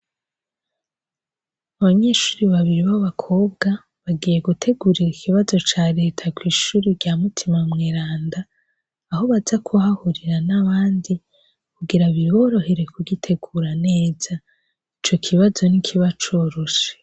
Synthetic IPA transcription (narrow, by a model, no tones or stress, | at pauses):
aβaɲe̞ʃu̥ːɾiβaβiɾiβaβakʰo̞ːb̚ɡa | βaɡiːje̞ɡutʰe̞ɡuːɾiɾikʰiβazo̞t͡ʃaːɾe̞ːtʰakwiːʃuːɾiɾɟamutʰimamŋeːɾaːndaː | ho̞βazakʰuhahuɾiɾanaβaːndi | kuɡiɾaβiɾβo̞ːɾo̞he̞ɾe̞kuɡitʰe̞ɡuːɾaneːz̥a | it͡ʃo̞kʰiβazo̞nikʰiβat͡ʃoːɾoʃe̥